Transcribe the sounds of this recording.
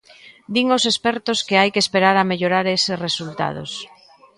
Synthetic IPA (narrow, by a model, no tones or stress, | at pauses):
d̪iŋosespɛɾt̪ʊskɪajkeːspeɾaɾameʎoɾaɾesɪsresult̪a̰ð̞o̰s